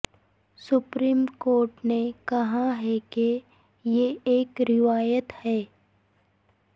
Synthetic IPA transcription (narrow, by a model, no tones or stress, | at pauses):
sʊpɾiːmkoːɾʈnekɐɦaɦɛke | jeeːkɾɪʋaːjət̪hɛː